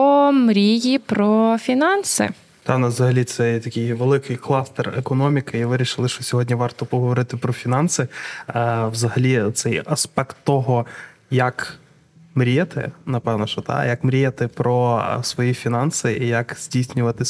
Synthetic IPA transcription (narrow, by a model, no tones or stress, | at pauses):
ɔmɾʲijipɾɔfʲinɑnsɪ̰ | t̪ɑnɐʋzɐɦɐlʲit̪sɛjt̪ɐkʲɪjʋelˠɪkɪjklˠɑst̪ɛrekɔnɔmʲikɪiʋɪɾʲiʃɪlˠɪʃt͡ʃɔsʲɔɦɔdʲnʲiʋɑrt̪ɔpɔɦɔʋɔɾɪt̪ɪpɾɔfʲinɑnsɪ | wzɐɦɐlʲit̪sɛjɐspɛkt̪ːɔɦɔ | jɐk | mɾʲijɛt̪ɪ̰nɐpɛwnɔʃɔt̪ɑ̰jɐkmɾʲijɛt̪ɪpɾɔsʋɔjifʲinɑnsɪʔijɐkz̥ʲdʲijsʲnʲʊʋɐt̪ɪ